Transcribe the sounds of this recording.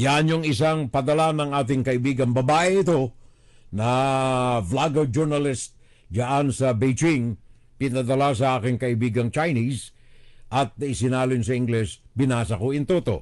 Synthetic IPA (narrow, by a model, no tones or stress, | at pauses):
janoŋɪs̬aŋpɐd̪ɐlanɐŋaːt̪ɪŋkɐɪbiːɡɐŋbɐbaːʔɛɪt̪o̞ | nɐ | flaɡɛd͡ʒuɹnɐlɪst̪̚ | d͡ʒaʔansɐbejt͡ʃɪŋ | pɪnad̪ɐlas̬ɐʔaːkɪŋkɐɪbiːɡɐŋt͡ʃajnis | ʔɐt̪̚nɐɪsɪnaːlɪnsɐɪŋɡlɛsbɪnaːsɐkoɪnt̪ot̪o̞̰